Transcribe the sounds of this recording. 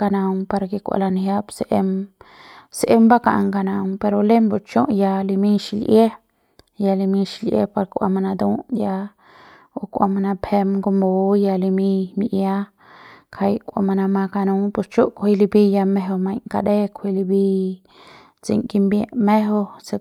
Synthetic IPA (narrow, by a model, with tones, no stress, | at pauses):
ka˧nã˧mpa˧ɾki˧kʷa̰˧˨la˧nɦja˦pse˨ʔe˧m | sʔe˦mba˦ka̰˨ʔŋka˧nã˧mpe˧ɾo˧le˦mbo˨t͡ʃõ˦ʔja˧li˧mĩ˦ʃi˧˨lʔje˦ | ja˧li˧mĩ˧ʃi˧lʔjḛ˦pa˧ɾkʷʔa̰˧ma˧nã˧d̪ũ˦ʔja˧ | o˧kʷa̰˧ma˧nã˧phe˧mɡo˧mbo˨˧ja˧li˧mĩ˧mi˧ʔja˦ | kʰa˧jkʷa̰˧ma˧nã˧mã˧ka˧nũ˧ŋpu˧st͡ʃu˦ʔkʰʷhi˧li˧bi˧ja˧me˧ɦo˧mã˧jŋka˧d̪e˦kʰʷwi˧li˧bi˧ | t͡sḭ˧ŋki˧mbjẽ˧ʔme˦ɦo˧se˧